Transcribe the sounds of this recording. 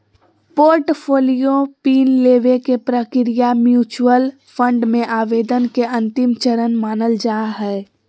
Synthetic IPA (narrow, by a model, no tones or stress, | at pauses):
poːɾʈpʰoːlijopiːnleːʋekepɾəkɾɪjamjuːt͡ʃuwəl | fʰə̃ɳɖmẽʔaːʋeːd̪ənkeʔɐ̃nt̪ɪmt͡ʃəɾənmaːnəld͡ʒaːɦɛː